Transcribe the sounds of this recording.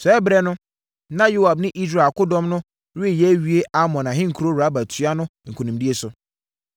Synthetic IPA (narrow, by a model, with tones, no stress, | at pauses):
sɛ˨˦bɾɛ˦nʊ̃˦ | nã˦jo˦a˨bnɪ̃˦ʔi˦s̬ɾa˨kʊ˦dɔ̃˦mnʊ̃˦ | ɾɪ˦˨jɛ˨˦ɥi˦e˦ʔa˦mɔ̃˨nã˨ɦɪ̃˦ŋ̩˨kʰu˨ɾo˦wɾa˨˦bæ˨tʰɥa˦nʊ̃˦ŋ̩˨kʰu˨nũ˨mdi˦e˦sʊ˨